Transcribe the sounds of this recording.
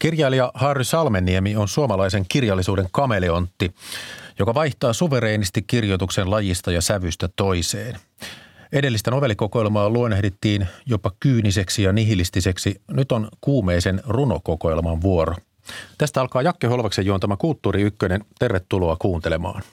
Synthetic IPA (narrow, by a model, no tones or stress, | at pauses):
kirjɑiliɑhɑrːysɑlmenːiemio̞nsuomɑlɑise̞ŋkirjɑlːisuːde̞ŋkɑme̞leont̪ːijokɑʋɑjht̪ɑːsuʋe̞ɾe̞ːnist̪ikkːirjot̪uksenlɑjist̪ɑjɑsæʋyst̪æt̪o̞iseːn | e̞de̞lːist̪ænoʋe̞lːiko̞koelmɑːluojnehdet̪ːiːnjopːɑkyːnise̞ksijɑniɦilist̪ise̞ksinyt̪onkuːmeːsenruno̞̰ko̞ko̞elmɑnʋuoɾo | t̪æst̪æɑlkɑːjɑkːeɦo̞lʋɑksejuont̪ɑæmækult̪ːuːɾiykːøne̞nt̪e̞rʋet̪ːulo̞ɑkuːnt̪e̞le̞mɑ̰ːn